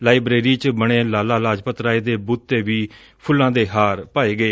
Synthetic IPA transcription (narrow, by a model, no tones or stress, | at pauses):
laːɪbɾeːɾiːt͡ʃbəɽ̃ẽːlaːlaːlaːd͡ʒpət̪ɾaːeːd̪eːbuːt̪ːeːʋiː | pʰʊlːãːd̪eːɦaːɾpaːeːɡəeː